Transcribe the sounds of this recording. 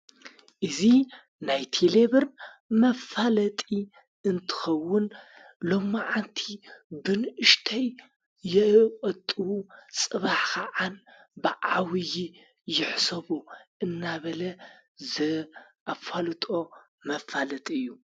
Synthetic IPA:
ʔɨzi | najt̪ʰeleβɨɾ | mɐfalɐt̪ʼi | ɨnt̪ʰɨ̥xɐwːʊn | lo̞mːɨʕant̪ʰibɨnʔɨʃt̪ʰɐj | jɛkʼɐt̪ʼɨwusʼɨβaħkʰaʕan | bɨʕawɨji | jɪħsɐβoʔɨnːaβɐlɐ | zɨʔafalɨt̪ʼo̞ | mɐfalɐt̪ʼiɨjːu

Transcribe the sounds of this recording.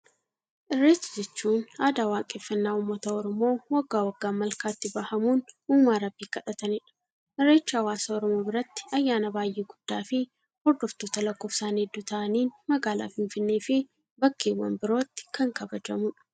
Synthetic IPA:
ʔɪrːeːsɐd͡ʒɛt͡ʃːuːnaːd̪aːwaːkʼeːfːɐnːaːʊmːɐt̪ɐɔɾɔmo̞ːwɐɡːaːwɐɡːaːmɐlkaːt̪ːɪbɐhɐmuːnuːmːaːɾɐbːiːkɐᶑɐt̪ɐnɪᶑɐ̥ | ʔɪrːe̞ːt͡ʃːaːwaːsɐɔɾɔmo̞ːbɪɾɐt̪ːɪ̥ɐjːaːnɐbaːjʔeːɡʊd̪̥ːaːfɪ | hɔɾd̪ɔft̪oːt̪ɐlɐkːo̞ːfsaːnɛd̪ːuːt̪ɐʔɐniːnmɐɡaːla̰ːfɪnfɪnːe̞ːfɪ | bɐkːeːwːɐ̰mbɪɾo̞ːt̪ːɪ̥kʰɐŋkɐbɐd͡ʒɐmʊᶑɐ̥

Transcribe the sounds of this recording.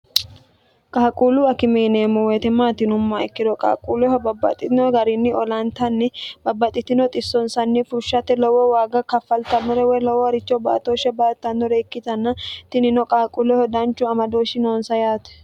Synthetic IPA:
kʼaːkʼuːluɐkɪmeːneːmːɔwet̪ɛmːaːt̪ɪnʊmːɐɛkːɪd̪ɔkʼa̰ːkʼuːlɛhɔbɐbːɐ̰t̪ʼɪɔɡɐɾɪnːɪɔlɐnt̪ɐnːɪbɐbːɐt̪ʼɪt̪ɪnɔt̪ʼɪsːɔnsɐnːɪfʊɾʃɐt̪ɛlɔwɔwaːɡɐkɐfːɐlt̪ɐmːɔɾɛwɛlɔwɔɾɪt͡ʃːɔbɐɐt̪oːʃɛbɐɐt̪ːɐnːɔɾeːkːɪt̪ɐnːɐt̪ɪnɪnɔkʼaːkʼulɛhɔd̪ɐnt͡ʃːʊɐmɐd̪oːʃɪnoːnsɐjaːt̪ɛ̥

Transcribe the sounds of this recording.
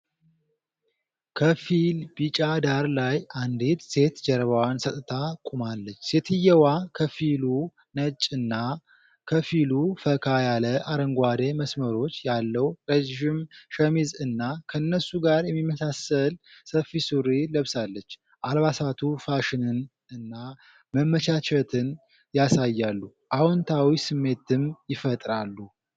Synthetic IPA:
kʰəfilbit͡ʃʼad̪aɾlajʔand̪et̪se̞t̪d͡ʒɛɾβəwansət̪ʼɨt̪ʰakʼumalːət͡ʃːse̞t̪ʰɨjːɛwakʰəfilu | nət͡ʃʼɨnːa | kʰəfilufəkʰajaləʔaɾəŋɡʷad̪eməsməɾo̞t͡ʃːjalːəwɾeʒɪmʃəmizɨnːakʰəɨnːəsuɡaɾjɛmːimːəsasəlsəfisuɾiləβsalːət͡ʃː | ʔalβasat̪ʰufaʃɪnɨn | ɨnːa | məmːət͡ʃat͡ʃɛt̪ʰɨn | jasajːalːu | ʔawɔnt̪ʰawisɨmːe̞t̪̚ɨmjɪfət̪ʼɾalːu

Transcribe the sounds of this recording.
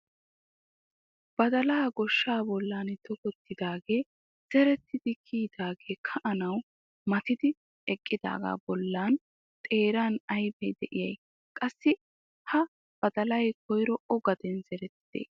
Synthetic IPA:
b̥ɐd̪ɐlaːɡɔʃːaːbɔlːaːnt̪ɔkɔt̪ːɪd̪aːɡe̞ː | z̥ɛɾɛt̪ːɪd̪̥ɪkʰiːd̪aːɡe̞ːkʰɐʔɐnɐw | mɐt̪ɪd̪ɪ | ɛkʼːɪd̪a̰ːɡa̰ːbɔlːaːn | t̪ʼe̞ːɾaːnɐjbɛjd̪ɛʔɪjɐj | kʼɐsːɪ | hɐ | b̥ɐd̪ɐlɐjkʰɔjɾɔɔɡɐd̪ɛnzɛɾɛt̪ːɪd̪̥ḛː

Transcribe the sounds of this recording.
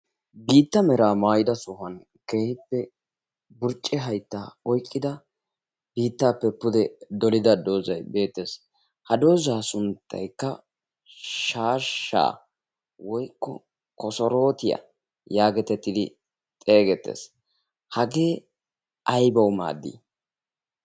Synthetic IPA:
biːt̪ːɐmɛɾaːmaːjɪd̪ɐsʊhɐn | ke̞ːhɪpːɛ | bʊɾt͡ʃʼːɛɦɐjt̪ːaːɔjkʼːɪd̪ɐ | b̥iːt̪ːaːpːɛpːʊd̪ɛd̪ɔlɪd̪ɐd̪o̞ːzɐjbe̞ːt̪ːes | hɐd̪o̞ːzaːsʊnt̪ːɐ̰jkːɐ | ʃaːʃːa̰ː | wɔjkːɔ | kɔsɔɾo̞ːt̪ɪjɐ̰ | jaːɡɛt̪ɛt̪ːɪd̪ɪ | t̪ʼe̞ːɡɛt̪ːe̞̰ːs | hɐɡe̞ː | ʔɐjbɐwma̰ːd̪ːḭ

